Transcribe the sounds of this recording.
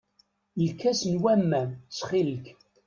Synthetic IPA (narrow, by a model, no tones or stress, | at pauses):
lkæsnwæmːæmt͡sːχilək